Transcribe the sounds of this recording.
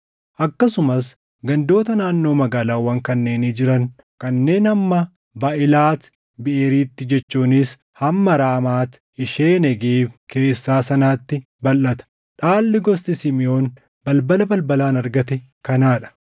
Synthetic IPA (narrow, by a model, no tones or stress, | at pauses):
ʔɐkːɐsʊmɐs | ɡɐnd̪o̞ːt̪ɐnaːnːo̞ːmɐɡaːlaːwɐŋkɐnːe̞ːniːd͡ʒɪɾɐŋ | kɐnːe̞ːnɐmːɐ | baʔɪlaːt̪ | bɪʔeːɾiːt̪ːɪd͡ʒɛt͡ʃːuːnɪs | hɐmːɐɾaːmaːt̪ | ɪʃeːnɛɡeːbke̞ːsːaːsɐnaːt̪ːɪ | bɐlːɐt̪ɐ̥ | ᶑaːlːɪɡɔsːɪsɪmɪjo̞ːn | bɐlbɐlɐbɐlbɐlaːnɐɾɡɐt̪ɛ | kɐnaːᶑɐ̥